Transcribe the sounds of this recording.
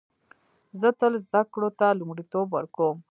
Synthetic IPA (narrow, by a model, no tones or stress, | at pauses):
zət̪əlzd̪akɽot̪alumɽit̪obwəɾkom